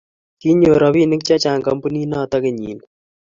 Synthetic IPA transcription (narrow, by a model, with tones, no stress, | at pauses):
ki˦ɲoː˨ɾɐ˦βiː˦nɪ˦k̚t͡ʃa˦t͡ʃaː˨ŋkɐ˦mpu˦niː˦naː˦t̪ɐ˦kɪ˨ɲḭː˨n